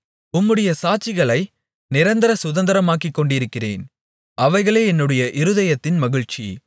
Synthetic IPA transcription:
ʊmːɯɽɐjɐsaːt͡ʃɪɣɐɭɐɪ | nɪɾɐnd̪ɐɾɐsʊðɐnd̪ɐɾɐmaːkːɪkːɔɳɖɪɾɯkːɪrḛːn | ɐʋɐɪɣɐɭeːɛnːɯɽɐjɐʔɪɾɯðɐjɐt̪ːɪnmɐɣɪɻt͡ʃḭ

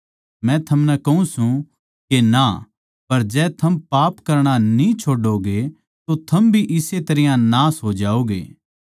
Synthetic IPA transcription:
mɛ̃t̪ʰɐmnɛkɐɦũsũ | kena | pɐɾd͡ʒɛːt̪ʰɐmpaːpkɐɾɽ̃anĩt͡ʃʰoːɖoɡe | t̪ot̪ʰɐmbʱiʔɪset̪ɐɾɪjãnaːsɦod͡ʒaːoːɡḛː

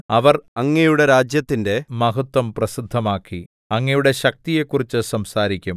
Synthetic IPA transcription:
ɐʋɐrɐŋːɐjuɽe̞ɾaːd͡ʑjɐt̪ːinde̞mɐɦɐt̪wɐmprɐsid̪ʱːɐmaːkːi | ɐŋːɐjuɽe̞ɕɐk̚t̪ije̞kːurit͡ɕːɨsɐmsaːɾikʲːum

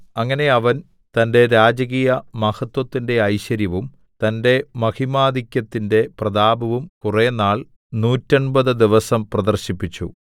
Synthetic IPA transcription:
ɐŋːɐne̞ɐʋɐn | t̪ɐnde̞ɾaːd͡ʑɐɣiːjɐmɐhɐt̪wɐt̪ːinde̞ɐjɕɐɾjɐʋum | t̪ɐnde̞mɐhimaːd̪ikʲjɐt̪ːinde̞prɐðaːbɐʋumkurenːaːɭ | nuːtːɐnbɐðɨd̪iʋɐsɐmprɐd̪ɐrɕipːit͡ɕːṵ

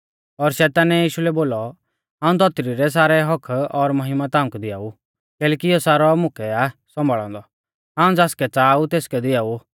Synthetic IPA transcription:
ɔɾʃɛːt̪aːnɛjiːʃulɛboːlɔ | ãːũt̪ɔt̪ɾiɾɛs̬aːɾɛɦɔkʰɔɾmɐɦɪmat̪aːʊ̃kd̪ɪja̰ːu | kɛːlɛːkiɔsaːɾɔmʊkʰɛasɔ̃mbʱaɭã̰ːnd̪ɔ | ɦaːũd͡zaːskɛt͡saːut̪eːskɛd̪ɪjaːu

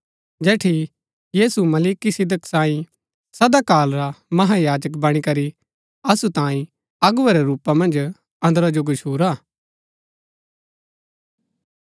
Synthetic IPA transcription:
d͡ʒɛːʈʰi | jiːsumɐliːkisɪd̪əksãːĩ | sɐd̪akaːlɾamɐɦajaːd͡ʒəkbɐɽ̃ikɐɾi | ɐsut̪ãːĩ | ɐɡʊɐɾɛɾuːpamɐ̃nd͡ʒ | ɐ̃nd̪ɾad͡ʒoɡʊʃʰuːɾaː

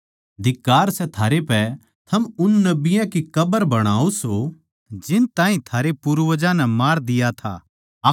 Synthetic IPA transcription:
d̪ɪkːaːɾsɛt̪ʰaːɾepɛ | t̪ʰɐmʊnːɐbɪjãkikɐbəɾbɐɽ̃aːoso | d͡ʒɪnt̪ãːɦĩt̪ʰaːɾepuːɾʋəd͡ʒãnɛmaːɾd̪ɪjat̪ʰa̰

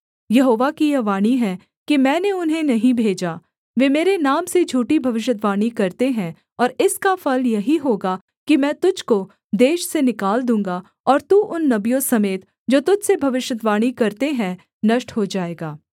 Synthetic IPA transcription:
jɐɦoːʋakijɐʋaːɽ̃iɦɛ | kimɛ̃ːneʊnɦẽnɐɦĩbʱeːd͡ʒaː | ʋeːmeːɾenaːmsed͡ʒʱuːʈibʱɐʋɪʃ̬ət̪ʋaːɽ̃ikɐɾt̪eɦɛ̃ | ɔːɾɪskafɐljɐɦiɦoːɡa | kimɛ̃ːt̪ʊd͡ʒʱko | d̪eːʃsenɪkaːld̪ũːŋɡa | ɔːɾt̪uːʔʊnːɐbijõsɐmeːt̪ | d͡ʒoːt̪ʊd͡ʒʱsebʱɐʋɪʃjət̪ʋaːɽ̃ikɐɾt̪eɦɛ̃ | nɐʃʈɦod͡ʒaːeːɡaː

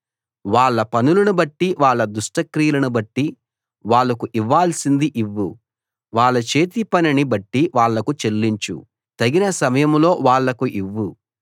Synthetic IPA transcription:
ʋaːɭːɐpɐnulɐnubɐʈːiʋaːɭːɐd̪uʂʈɐkɾijɐlɐnubɐʈːi | ʋaːɭːɐkuʔiʋːaːlsind̪iʔiʋːu | ʋaːɭːɐt͡ʃe̞ːt̪ipɐninibɐʈːiʋaːɭːɐkut͡ʃe̞lːiɲt͡ʃṵ | t̪ɐɡinɐsɐmɐjɐmlo̞ːʋaːɭːɐkuʔiʋːu

